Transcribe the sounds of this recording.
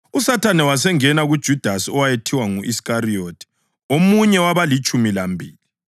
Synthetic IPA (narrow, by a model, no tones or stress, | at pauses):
usatʰanɛwasɛŋɛnaɣud̥ʒ̥ʱud̥ʱasɔwajetʰiwaŋuʔiskariotʰi̥ | omuɲɛwaβalit͡ʃʼumilambʱiːli